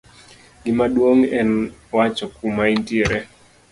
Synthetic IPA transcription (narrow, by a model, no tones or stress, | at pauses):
ɡɪmadwoŋɛnwat͡ʃɔkumaintieɾe